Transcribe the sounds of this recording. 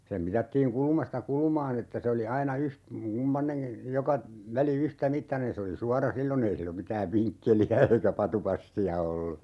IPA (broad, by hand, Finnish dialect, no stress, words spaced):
sem mitɑtːiːŋ kulŭmɑstɑ kulŭmɑːn etːæ se oli ɑinɑ yht kumpɑneŋki jokɑ ʋæli yhtæmitːɑnen se oli suɑrɑ silːon ei silːom mitæːʋ ʋiŋkːeliæ eikæ pɑtupɑsːiɑ olːu